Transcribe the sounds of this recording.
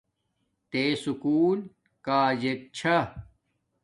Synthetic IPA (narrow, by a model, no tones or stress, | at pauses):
t̪eːsukuːl | kaːd͡ʑek̚t͡ɕʰɐ